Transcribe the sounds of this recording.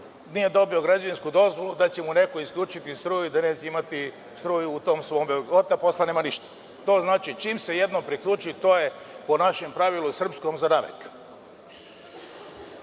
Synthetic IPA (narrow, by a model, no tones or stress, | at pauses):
nijed̪o̞bio̞ɡɾad͡ʑaʋinskud̪o̞zʋo̞lud̪at͡ɕe̞mune̞koiskʎʲuːt͡ʃit̪ist̪ɾuːjid̪ane̞ːt͡ɕeimat̪i | st̪ɾuːjuut̪o̞ːmsʋoːmbeot̪apo̞sleneːmaniʃt̪ḁ | t̪o̞ːznaːt͡ʃit͡ʃimse̞je̞d̪nompɾikʎuːt͡ʃuit̪o̞ːje̞ | po̞naʃempɾaʋilusr̩psko̞mzanaʋḛk